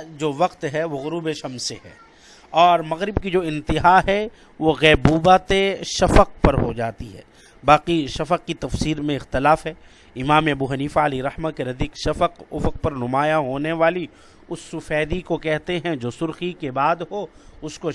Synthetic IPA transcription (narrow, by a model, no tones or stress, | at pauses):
d͡ʒoːʋɐqt̪ɦɛʋoɣʊɾuːbeʃɐmseɦɛ̰ː | ɔːɾmɐɣɾɪbkid͡ʒoːɪ̃nt̪ɪɦaɦɛ | ʋoɣɛːbuːbaːt̪eʃɐfəq̚pɐɾɦo̰d͡ʒa̰ːt̪iɦɛ̰ː | baːqiʃɐfəq̚kit̪ɐfsiːɾmẽɪxt̪ɪlaːfɦɛː | ɪmaːmeɐbuɦɐniːfaɐliɾɐhmakeɾɐd̪iːkʃɐfəqʊ̰fəq̚pɐɾnʊmaːjaɦoːneʋaːli | ʊsːʊfɛːd̪ikokɛɦt̪eɦɛ̃d͡ʒoːsʊɾxikebaːd̪ɦoː | ʊsko